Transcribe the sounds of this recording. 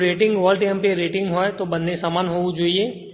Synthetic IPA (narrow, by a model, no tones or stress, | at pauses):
ɾeːʈɪ̃ŋɡʋɔːlʈejmpeɾeːʈɪ̃ŋɡɦoːet̪obɐ̃nːesaːmaːnɦoːud͡ʒoːieː